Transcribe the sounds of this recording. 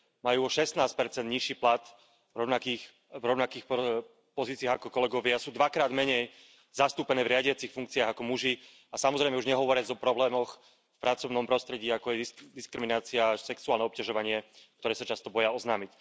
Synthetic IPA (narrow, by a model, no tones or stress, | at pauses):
majuːɔʃɛst̪naːspɛɾt͡sɛnd̪ɲiʃiːplat̪ | ɾɔʊnakiːx | vɾɔʊnakiːxp | pɔziːt͡siaːɣakɔkɔlɛɡɔʋɪasuːd̪ʋakɾaːd̪mɛɲɛj | zast̪uːpɛnɛːvɾɪaɟɪat͡sixfuŋk̚t͡siaɣakɔmuʒi | asamɔzɾɛjmɛuʒɲɛɦɔʋɔɾɪad͡zɔpɾɔblɛːmɔx | fpɾat͡sɔʊnɔmpɾɔst̪ɾɛɟiːakɔjɛd̪iskɾiminaːt͡siasɛksuaːlnɛɔpcaʒɔʋaɲɪɛk̚t̪ɔɾɛːsat͡ʃast̪ɔbɔjaɔznaːmic